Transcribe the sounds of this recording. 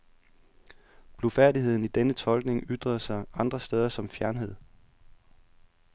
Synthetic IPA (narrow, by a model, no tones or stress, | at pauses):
b̥lofæɐdiɦe̝ð̞̰ˠn̩id̥enət͡sʰɒ̽lɡ̥ne̝ŋʔyd̥ʁɐðˠsɑ̈ɪɑ̈nd̥ʁɐsd̥eːð̞ˠɐsɒ̽mfjæɐnɦe̝ð̰ˠ